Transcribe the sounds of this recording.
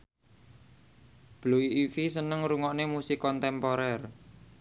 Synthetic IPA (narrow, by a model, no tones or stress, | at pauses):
b̥luiːfisənəŋɾuŋɔʔnemusikɔnt̪ɛmpɔɾɛr